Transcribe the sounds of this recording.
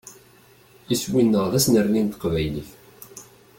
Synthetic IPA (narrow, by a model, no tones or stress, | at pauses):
iswinːəʁðæsnəɾnint̪ə̥qvæjliç